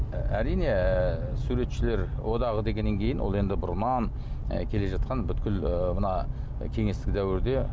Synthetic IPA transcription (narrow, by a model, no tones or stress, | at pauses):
æɾijne̞ | suɾe̞t̪ʃɪle̞ɾwʔo̞d̪ɑʁəd̪e̞ɡʲenːe̞ŋkʲʰe̞jɪnwo̞̰lˠe̞nd̪ɪbʊɾnɑn̰ | kʲʰe̞le̞ʒɑt̪̚qʰɑnbʏt̪kʲɪləmənɑ | kʲʰe̞ŋest̪ɪkʲd̪æwɪɾd̪e̞